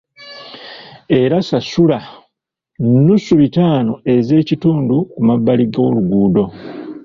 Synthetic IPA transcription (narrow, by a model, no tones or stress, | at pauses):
e̞ɾasasula | nusuβitaːnoe̞ze̞ːcituːndukumabːaliɡoluɡuːdo̞